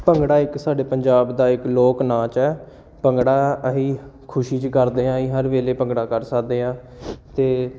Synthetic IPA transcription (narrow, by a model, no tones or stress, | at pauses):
pəŋɡɽaːɪksaːɖeːpəɲd͡ʒaːbd̪aːɪkloːknãːt͡ʃɛː | pəŋɡɽaːəɦiː | kʰʊʃiːt͡ʃkəɾd̪eːãːiːɦəɾʋeːleːpəŋɡɽaːkəɾsəkʰd̪eːãː | t̪eː